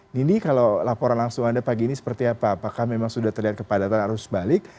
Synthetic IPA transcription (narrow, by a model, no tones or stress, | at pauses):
ninikalowlapoɾanlaŋsʊŋandapaɡiːnisə̥pərt̪iapaːpakahmemaŋsudaht̪ərliɦat̪̚kəpadat̪anaɾʊsbalɪk̚